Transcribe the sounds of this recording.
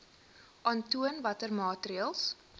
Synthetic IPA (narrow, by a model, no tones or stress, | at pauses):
ʔɐntuənvɐtərmɑːtriəlˠs